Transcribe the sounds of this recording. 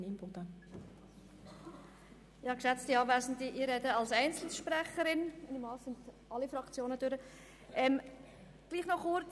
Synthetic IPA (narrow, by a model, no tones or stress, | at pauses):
nimbɔd̥̪ə | jɑːkʃæt͡stiɑːvæɪzn̩diʔiːɾɛdəɑlsæɪnt͡sl̩sʃpɾɛχəɾɪnɪnimɑːssɪndʔɑlifɾɑkt͡sjoːnəd̥øɾə | ʔɛm | ɡ̥liːχnɔχʊɾ